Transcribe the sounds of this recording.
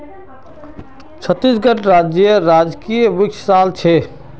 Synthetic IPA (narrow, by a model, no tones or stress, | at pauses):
t͡ʃʰət̪ːisɡəʈɾad͡ʒjəɾad͡ʒkijʋikt͡ʃʰsaːlt͡ʃʰe